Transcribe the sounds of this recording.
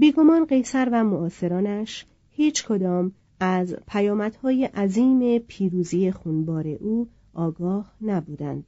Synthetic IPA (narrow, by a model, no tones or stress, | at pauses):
biːɡo̞mɒːnɢe̞jsæɾvæmoʔɒːse̞ɾɒːnæʃ | hiːt͡ʃʰkʰo̞d̪ɒːm | æzpʰæjɒːmæd̪̥hɒːjeʔæziːme̞pʰiːɾuːziːje̞xunbɒːɾe̞ʔuː | ʔɒːɡɒːhnæbuːd̪æ̰nd̪̥̚